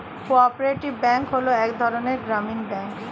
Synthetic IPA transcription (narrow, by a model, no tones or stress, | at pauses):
koɔpɾeʈibbɛŋkɦoloɛkd̪ʱɔɾoneɾɡɾaminbɛŋk